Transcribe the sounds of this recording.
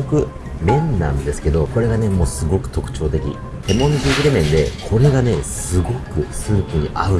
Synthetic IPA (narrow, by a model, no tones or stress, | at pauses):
okɯ̟ | mẽ̞nːã̰nd̪e̞sɨ̥ke̞d̪o̞ko̞ɾe̞ɡane̞mo̞ːsɨɡo̞kɯ̟̥t̪o̞kɯ̟̥t͡ɕo̞ːt̪e̞kʲḭ | hemõ̞nzikiɾemẽ̞nd̪e̞kʰo̞ɾe̞ɡane̞sɨɡo̞kɯ̟sɨːpɯ̟ɲ̟iʔaɯ̟